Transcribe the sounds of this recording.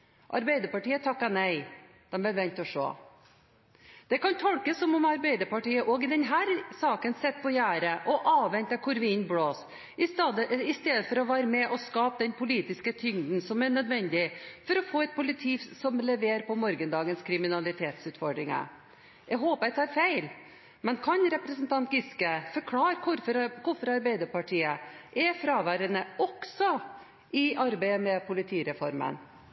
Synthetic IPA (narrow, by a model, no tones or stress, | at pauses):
ʔɑ̰ɾbæɪd̪əɾpɑʈiːət̪ʰɑkːɑnæɪ | d̪̥ɛmbɛɾʋɛnt̪ɔʂo̰ː | d̪̥ɛkɑnt̪ʰɔlkəsɔmɔmɑɾbæɪd̪əɾpɑʈiːəʔɔːɡɪd̪ɛnɦæːɾsɑːkənsɛt̪̚ːpʰɔjæːɾəʔɔʔɑːʋʋɛnt̪əkʰʊɾʋiːnbloːs | ɪsd̪əɪst̪eːd̪əfɔɾɔʋæːɾəmɛʔɔskɑːpd̪ɛnpʰʊliːt̪ɪskət̪ʰʏŋd̪n̩sɔmæɳœd̪ʋɛnd̪ɪfɔɾɔfoːɛt̪̚pʰʊlɪt̪ʰiːsɔmlɛʋeːɾpɔmɔɾɡənd̪ɑːɡənskʰɾɪmɪnɑlɪt̪ʰeːt̪sʉːt̪fɔɖɾɪŋə̰ | ɛɡɦoːpəɛt̪ɑːɾfæɪl | mɛnkʰɑnɾɛpɾɛsənt̪ɑnt̪̚ɡɪskəfɔɾkʰlɑːɾkʰʊɾfɔɾkʰʊfɔɾɑɾbæɪd̪əɾpɑʈʰiːəʔɛfɾɑːʋæːɾənəɔksɔ | ʔɪɑɾbæɪəmɛpʰʊlɪt̪ʰiːɾɛfɔɾmə̰n